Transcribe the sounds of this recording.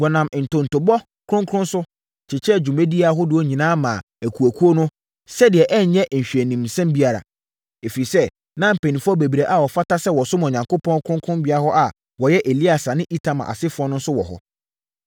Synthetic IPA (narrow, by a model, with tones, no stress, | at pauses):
ɡa˨nã˨m˨n̩˨tʊ̃˨n̩˨tʊ˨bɔ˦ | kʰɾʊ̃˦ŋkʰʊ̃˦n˦sʊ˦˨ | t͡ɕʰɪ˨t͡ɕʰɛ˦d͡ʑu˨mẽ˦di˦a˨˦ɦʊ˦dɪ˨ɔ˦ɲĩ˨nãː˦mã̰ː˨ | æ˨kʰu˨æ˨kʰu˦o˦nʊ̃˦ | sɛ˦dɪ˨ɛ˨ʔɛ˦ɲ˨ɲɛ̃˦ʔɲ̩˨ɕᶣɛ˨nĩ˨msɛ̃˦mbi˦a˨ɾa̰˨ | e˨fi˨i˨sɛ˦ | nã˦m̩˨pʰe˨nĩ˨fɔ˦be˨bi˨ɾe˨ʔa˨wɔ˨fa˦ta˦sɛ˦wɔ˨sʊ˦m̃˨ɲã˨ŋkʰo˦pʰɔ̃˦nkʰɾʊ̃˦kʰɾʊ̃˦mbɪ˦a˦ɦɔ˦ʔa˨ | wɔ˨jɛ˦ʔe˨li˦a˨sa˨nɪ̃˦ʔi˦tʰã˨mã̰˨a̰˨sɪ˦fʊ˦ɔ˦nʊ̃˦n̩˦sʊ˦wɔ̰˨ɦɔ̰˨